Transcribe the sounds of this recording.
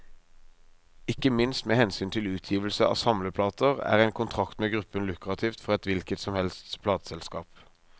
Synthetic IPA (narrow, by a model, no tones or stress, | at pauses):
ɪkːəmɪnst̪meːhɛnsyːnt̪ʰɪlʉːt̪ʰjiːʋəlsəʔɑ̰ːʋsɑmləpʰlɑːt̪əʁæ̰ːʁæɪnkʰʊnt̪ʰʁɑkt̪meːɡʁʉpːənlʉkʁɑt̪ʰiːft̪fɔʁɛt̪ʋɪlkət̪sɔmhɛlst̪spʰlɑːt̪ə̥sɛlskɑ̰ːp